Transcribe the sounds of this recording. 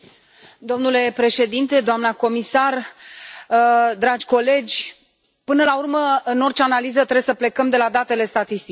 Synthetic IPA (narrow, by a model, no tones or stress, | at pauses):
d̪o̞mnule̞pɾe̞ʃe̞d̪int̪e̞d̪oamnako̞misar | d̪ɾad͡ʒʲko̞le̞d͡ʒʲ | pɨnəlaurməɨno̞rt͡ʃeanalizət̪ɾebsəple̞kəmd̪e̞lad̪at̪e̞le̞st̪at̪ist̪i